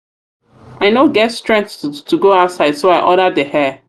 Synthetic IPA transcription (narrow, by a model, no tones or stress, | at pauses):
ʔaɪnoʊɡɛtstɹ̥ɛ̃ŋktʰuɡoaʊtsaɪdsoaɪʔɔɾədəhɛ